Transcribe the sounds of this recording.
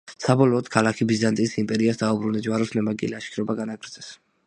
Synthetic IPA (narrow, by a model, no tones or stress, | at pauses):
sabɔlɔːd̪̥kʰalakʰibizant̪ʼisimpʼɛɾiasd̪aubɾund̪ad͡ʒwaɾɔsnɛmaɡʼḭliaʃkʰiɾɔbaɡanaɡɾd̪zɛs